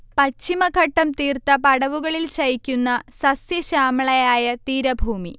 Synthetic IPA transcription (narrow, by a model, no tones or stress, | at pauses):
pɐt͡ɕːimɐkʰɐʈːɐmt̪iːrt̪ɐpɐɽɐʋuɣɐɭilɕɐjikʲːunːɐsɐsjɐɕaːmiɭɐjaːjɐt̪iːɾɐbʱuːmḭ